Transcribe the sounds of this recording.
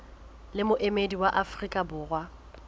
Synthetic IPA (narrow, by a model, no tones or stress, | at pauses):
lɪmʊʔemediwaʔafrikʼabʊːrwa